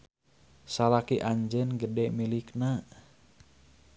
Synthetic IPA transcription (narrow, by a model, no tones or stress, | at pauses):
salakiʔaɲd͡ʒɛnɡədɛmilikna